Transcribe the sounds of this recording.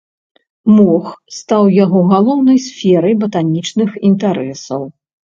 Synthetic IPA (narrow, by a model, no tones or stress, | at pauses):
mɔxst̪awjaɣɔɣalˠɔwnɐjsʲfʲɛɾɐjbɐt̪anʲit͡ʂnɨxint̪aɾɛsɐw